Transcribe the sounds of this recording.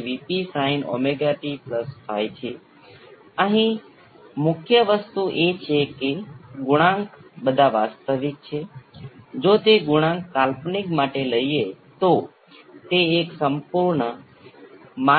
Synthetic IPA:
ʋipisaino̰meɡaʈipləst̪ʰajt͡ʃʰe | əɦĩ | mʊkʰjəʋəst̪uʔet͡ʃʰekeɡʊɽ̃ãŋkbəd̪ʱaʋast̪əʋik̚t͡ʃʰe | d͡ʒot̪eɡuɽ̃ãŋkːalpnikmaʈeləie | t̪o | t̪eːksəmpuɾɳə | ma

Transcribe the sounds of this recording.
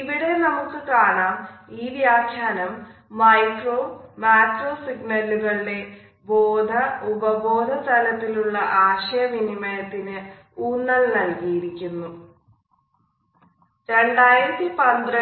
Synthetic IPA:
iʋiɽe̞nɐmukːɨkaːɳaːmiːʋjaːkʰjaːnɐmː | ɐjkro̞ːmaːʈro̞ːsiɡnɐluɣɐɭiɽe̞ | boːd̪ʱɐubɐbʱo̞ːd̪ʱɐst̪ɐlɐt̪ːiluɭːɐʔaːɕɐjɐminimɐjɐt̪ːinɨ | uːnːɐɭnɐlkijiɾikʲːunːu | ɾe̞ɳɖaːjiɾɐt̪ːipɐnd̪rɐ

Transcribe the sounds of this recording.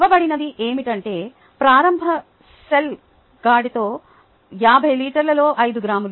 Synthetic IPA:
ʋɐbɐɽinɐd̪iʔeːmiʈɐɳʈe̞ː | pɾaːɾɐmbʱɐ | sel | ɡaːɖit̪o̞ː | jaːbʱɐjliːʈɐɾlɐlo̞ːʔɐjd̪uɡɾaːmul

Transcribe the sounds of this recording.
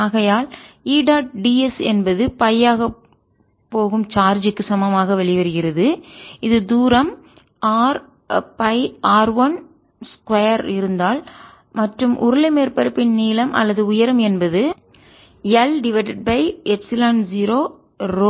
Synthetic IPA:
aːɣɐjaːliːɖaːʈ̚ɖiɛsɛnbɐðɯpɐjaːɣɐ | pːoːɣɯmt͡ʃaːɾd͡ʒɯkːɯsɐmɐmaːɣɐʋɛɭɪʋɐɾɯɣɪrɐðɯɪðɯd̪uːɾɐm | aːɾ | pɐɪaːɾʋɐn | skʋɐjɐɾɪɾɯnd̪aːl | mɐʈrɯmʔʊ̰ɾʊlɐmeːɾpɐɾɯpːɪnniːlɐmʔɐ̰lːɐðɯʊjɐɾɐmɛnbɐðɯ | ɐlɖɪʋeːʈɐɖ̚bɐɪɛpsɪlaːnziɾoː | ɾo

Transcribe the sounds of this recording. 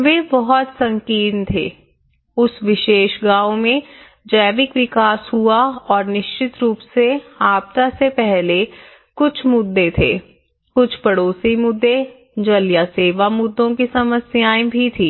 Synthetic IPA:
ʋeːbɔɦɔt̪sɐ̃ŋkiːnt̪ʰḛː | ʊsʋɪʃeːʃɡãːomẽ | d͡ʒəːʋɪkʋɪkaːshuaɔːɾnɪʃt͡ʃɪt̪ɾuːpseaːp̚t̪asepɛɦle | kʊt͡ʃʰmʊd̪ːet̪ʰḛː | kʊt͡ʃʰpɐɽoːsimʊd̪ːe | d͡ʒɐljaseːʋamʊd̪ːõkisɐməsjaːebʱit̪ʰiː

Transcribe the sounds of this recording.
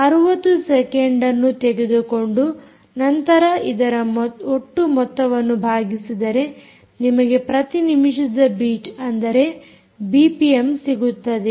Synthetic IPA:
ɐɾuʋɐt̪ːusekeɳɖɐnːut̪eɡed̪uko̞ɳɖu | nɐnt̪ɐɾɐid̪ɐɾɐmoʈːumɔt̪ːɐʋɐnːubʱaːɡisid̪ɐɾe̞ | nimɐɡe̞pɾɐt̪inimiʂɐd̪ɐbiːt͡ʃɐnd̪ɐɾe̞ | biːpijemsiɡut̪ːɐd̪e

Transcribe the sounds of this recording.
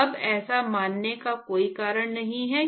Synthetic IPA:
ɐbɛːsamaːnːekakoːikaːɾəɽ̃nɐɦĩɦɛ

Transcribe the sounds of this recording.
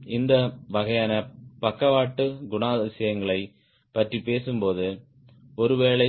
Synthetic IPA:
ɪnd̪ɐʋɐɣɐjaːnɐpɐkːɐʋaːʈːɯɡʊɳaːðɪsɐjɐŋɡɐɭɐɪ | pɐʈripeːsɯmpoːðɯ | ɔɾɯʋeːɭɐɪ

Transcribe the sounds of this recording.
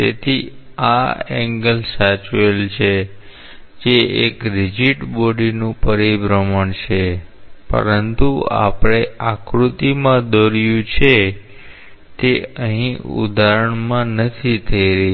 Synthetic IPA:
t̪ḛt̪ʰi | a̰ɛŋɡəlsat͡ʃelt͡ʃʰe | d͡ʒeekɾid͡ʒiʈboɖinũpəɾibɾəməɳʃʰepə̰ɾənt̪ua̰pɽ̃eakɾut̪imãd̪oɾjũt͡ʃʰe | t̪eəɦĩṵd̪ʱaɾəɳmãnət̪ʰit̪ʰəiɾə

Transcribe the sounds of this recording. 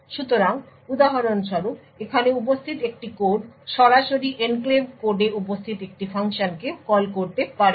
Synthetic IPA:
ʃut̪oɾaŋ | ud̪aɦaɾonʃɔɾu | ekʰaneup̬ost̪ʰit̪ek̚ʈikoɖʃɔɾaʃoɾiʔenklebkoɖeupost̪ʰit̪ek̚ʈifʰaŋʃonkekɔlkoɾt̪epaɾe

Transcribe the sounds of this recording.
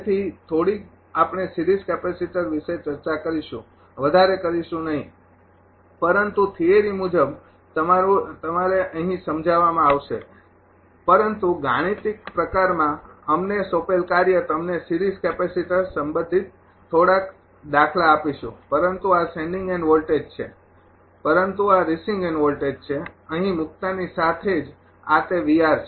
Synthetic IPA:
et̪ʰit̪ʰoɽik | apɳesiɾizkɛpesiʈəɾʋiʃet͡ʃəɾt͡ʃakəɾiʃṵ̃ | ʋəd̪ʱaɾekəɾiʃũnəɦĩ | pəɾənt̪ut̪ʰieɾimud͡ʒəb | t̪əmaɾut̪əmaɾeʔəɦĩsəmd͡ʒʱaʋamãaʋʃḛ | pəɾənt̪uɡaɽ̃it̪ik̚pɾəkaɾmãəmnesopelkaɾjət̪əmnesiɾizkɛpesiʈasəmbə̃nd̪ʱit̪ | t̪ʰːoɽak | d̪akʰlaːpiʃṵ̃pəɾənt̪uasɛ̃ɳɖĩŋɡɛnʋolʈed͡ʒt͡ʃʰḛ | pəɾənt̪uaɾisĩŋɡɛnʋolʈed͡ʒt͡ʃʰeəɦĩmʊk̚t̪anisat̪ʰed͡ʒ | at̪eʋiaɾt͡ʃʰe

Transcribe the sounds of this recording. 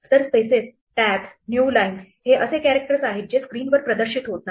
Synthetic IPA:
t̪əɾspeses | ʈæksnjuːlainsheʔəsekæɾek̚ʈəɾəsaɦid͡ʑeskɾiːnʋəɾpɾəd̪əɾɕit̪ɦot̪̚na

